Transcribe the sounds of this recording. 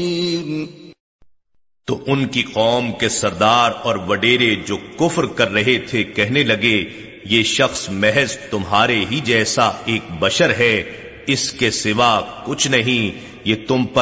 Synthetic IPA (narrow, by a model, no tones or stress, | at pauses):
t̪oʔʊnkiqɔːmkesɐɾd̪aːɾɔːɾʋɐɖeːɾed͡ʒoːkʊfɾkɐɾːɐɦet̪ʰekɛɦnelɐɡe | jeːʃɐxsmɛɦɛzt̪ʊmɦaːɾeɦid͡ʒɛːsaeːk̚bɐʃəɾɦɛ | ɪskesɪʋakʊt͡ʃʰnɐɦĩ | jeːt̪ʊmpɐ